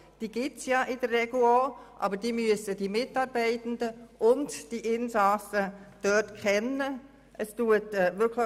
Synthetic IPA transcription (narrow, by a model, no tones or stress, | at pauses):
d̥iːɡ̥ɪt͡sjɑːʔɪd̥ərːɛɡuoʔɑ̰bəɾdiːmyəsədiːmɪtɑːɾbɛɪtəndəʔʊntd̥iʔɪnsɑsəd̥œtkʰɛnə | ʔəstuətɛʋɪɾkʰlə